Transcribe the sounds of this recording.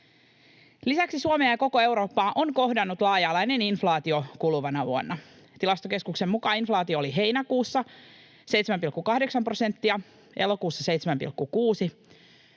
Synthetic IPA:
lisæksisuomeːjɑko̞koe̞wɾo̞ːpːɑːʔonko̞hdɑnːut̪lɑːjɑːlɑeneninflɑːt̪io̞kuluʋɑnɑʋṵonːɑ | t̪ilɑst̪oke̞skukse̞mːukɑːinflɑːt̪io̞ːliɦe̞jnækuːsːɑ | sejt̪semæmpilkːukɑhde̞ksɑmpro̞se̞nt̪ːiɑ | ʔelo̞kuːsːɑse̞jt̪semæmpḭlkːukuːsi

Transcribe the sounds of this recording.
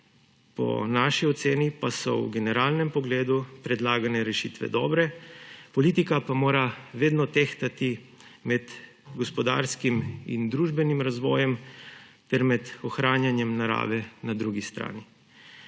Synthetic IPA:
pɔ̰naʃiɔt̪seːnipasɔ̰wɡɛnɛɾaːlnɛmpɔɡleːd̪upɾɛd̪laːɡanɛɾɛʃiːt̪ʋɛ̰d̪ɔːbɾɛpɔliːt̪ikapamoːɾaʋeːd̪nɔt̪ext̪at̪i | mɛd̪ | ɡɔspɔd̪a̰ɾskimḭnd̪ɾuːʒbɛnimɾazʋɔːjɛmt̪ɛɾmɛd̪ɔxɾaːnjanjɛmnaɾa̰ːʋɛnad̪ɾuɡist̪ɾa̰ːni

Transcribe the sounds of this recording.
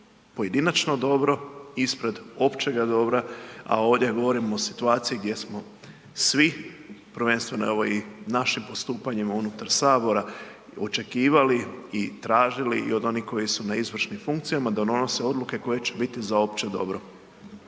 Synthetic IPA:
po̞je̞d̪inat͡ʃno̞d̪o̞bɾo̞ispɾe̞d̪o̞pt͡ʃe̞ɡad̪o̞bɾaa̰o̞ːʋd̪ʲje̞ɡo̞ʋo̞ɾimoːsi̥t̪uaːt̪sijiɡd̪je̞smo̞ | sʋipɾʋe̞ːnst̪ʋe̞noeʋoinaʃimpo̞st̪uːpaɲimaunut̪aɾsaːbo̞ɾa | o̞t͡ʃe̞kiːʋaliit̪ɾaːʒiliḭo̞d̪o̞nihko̞jisunaizʋr̩ʃnimfuŋkt̪sijamad̪od̪o̞no̞se̞o̞d̪luke̞ko̞je̞t͡ɕebit̪izao̞p̚t͡ʃed̪o̞̰bɾo̞

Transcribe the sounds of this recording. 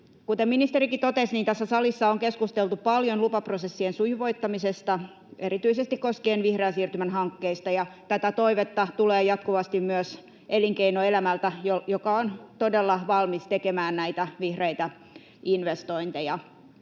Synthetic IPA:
kut̪eminist̪eɾikit̪ot̪esniːnt̪æsːæsɑlisːɑoŋkeskust̪elt̪upɑljonlupɑprosesːiensujʋo̞it̪ːɑmisest̪ɑ | eɾit̪yisest̪ikkoskeːnʋihreæsiːrt̪ymænɦɑŋkːeist̪ɑjɑt̪æt̪æt̪oiʋet̪ːɑt̪uleːjɑt̪kuʋɑst̪immyøs | ʔeliŋkeinoelæmælt̪æjojokɑont̪odelːɑʋɑlmist̪ekemæːnnæit̪æʋihreit̪æ | inʋest̪oint̪ejɑ

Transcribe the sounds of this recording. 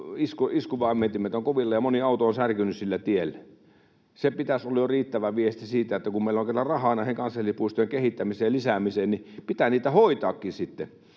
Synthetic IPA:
iskoiskuʋˑɑɑmːet̪ːimet̪oŋkoʋilːɑjɑmoniɑˑut̪oonsærkynyssilːæt̪ielːæ | sepit̪æsolːɑjoriːt̪ːæʋæʋiest̪isiːt̪æet̪ːækummeˑiloŋkelːɑrɑhɑˑnɑˑeseŋkɑnsɑlːipuist̪oeŋkehit̪ːæmiseːlisæmiseːnnipit̪æniːt̪æhoit̪ɑːkːisit̪ːḛ

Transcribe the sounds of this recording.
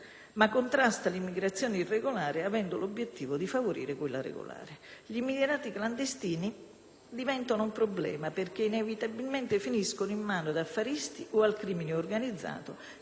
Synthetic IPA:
makːont̪ɾast̪alimːiɡɾat̪sːjɔːneirːeɡolaːɾɪavɛnd̪ʊlobːjet̪ːiːvʊd̪ifavoɾḭːɾɪkwelːa̰ɾḛɡo̰la̰ːɾɪʎimileɾaːt̪ikland̪est̪iːni | d̪ivɛnt̪onʊumpɾoblɛ̰ːmaperk̟einevit̪abilment̪ɪfiniskonoimːaːnod̪afːaɾist̪iʔoalkɾiːmineorɡanid̪zːa̰ːt̪ʊ

